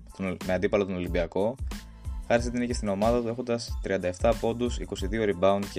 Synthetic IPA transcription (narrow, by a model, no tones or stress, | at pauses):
t̪omeɐnd̪ipɐlot̪ono̞limbiɐko̞ | xɐɾist̪einecest̪ino̞mɐðɐt̪ue̞xo̞nd̪ɐst̪ɾiɐnd̪ɐe̞ft̪ɐpo̞nd̪usiko̞siðio̞ɾibɐund̪ce